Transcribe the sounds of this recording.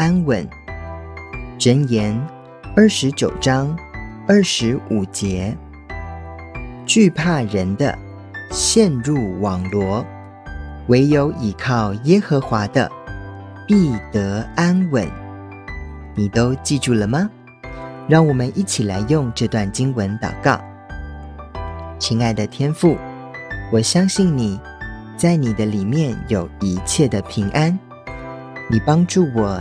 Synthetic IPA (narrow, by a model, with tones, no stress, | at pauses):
a˥nwə˧˥n | ʈ͡ʂə˧˥njɛ˧˥n | ə˞˥˩ʂɻ̩˧˥t͡ɕjo˨˩ʊʈ͡ʂɑ˥ŋ | ə˞˥˩ʂɻ̩˧˥u˨˩t͡ɕjɛ˧˥ | t͡ɕy˥˧pʰa˥˩ɻə˧˥nd̪ə̰˧ | ɕjɛ˥˧nɻu˥˩wɑ˨˩ŋlwɔ˧˥ | we˧˥ɪjo˧˥ʊʔi˨˩kʰɑ˥˩ʊjɛ˥xɤ˧˥xwa˧˥d̪ə̰˧ | pi˥˩t̪ɤ˧˥a˥nwə̰˧˥n | ni˨˩t̪o˥ʊt͡ɕi˥˧ʈ͡ʂu˥˩lə˩mɐ˨ | ɻɑ˥˩ŋwɔ˨˩mə˦nʔi˥˩t͡ɕʰi˨˩la˧˥ɪjʊ˥˧ŋʈ͡ʂɤ˥˧t̪wa˥˩nt͡ɕi˥ŋwə˧˦nt̪ɑ̰˨˩ʊkɑ˥˩ʊ | t͡ɕʰi˧˥ŋa˥˩ɪd̪ə˨t̪ʰjɛ˥nfu˥˩ | wɔ˨˩ɕjɑ˥ŋɕi˥˩ŋni˨˩ | t͡sa˥˩ɪni˨˩d̪ə˦li˨˩mjɛ˥˩njo˨˩ʊi˧˥t͡ɕʰjɛ˥˩d̪ə˩pʰi˧˥ŋʔa˥n | ni˨˩pɑ˥ŋʈ͡ʂu˥˩wɔ˨˩